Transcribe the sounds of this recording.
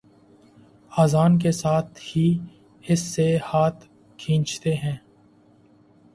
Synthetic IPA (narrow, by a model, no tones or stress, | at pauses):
aːzaːnk̬esaːt̪ʰhi | ɪsːehaːt̪ʰ | kʰĩːnt͡ʃt̪eɦɛ̃ː